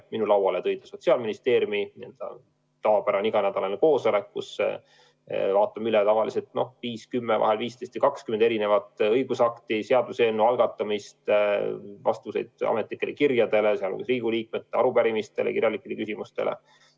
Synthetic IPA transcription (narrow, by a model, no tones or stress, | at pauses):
minulɑwɑle̞t̪ɤjd̪eso̞t̪siɑlminist̪e̞ːɾjuminienld̪̥ɑ̰ | t̪ɑɑpæɾɑniɡ̥ɑnæd̪̥ɑlɑneko̞ːsole̞kːusːḛ | vɑːt̪ːˑɑmylet̪ɑvɑlise̞lt̪no̞hviːskymːevɑ̰ɦe̞lviːst̪e̞jst̪vikɑkskymend̪e̞ɾine̞vɑt̪ˑɤjɡ̥usɑkt̪iseɑd̪useenːuɑlɡ̥ɑt̪ːˑɑmist̪ | vɑ̰st̪vuse̞̰jd̪̥ɑ̰me̞t̪likːˑe̞lʔekirjɑd̪e̞le̞seɑ̰lo̰ɡusriːɡ̥uliːk̚met̪ːˑeɑɾupæɾimist̪e̞lḛkirjɑlikˑːele̞kysimust̪e̞̰lʔḛ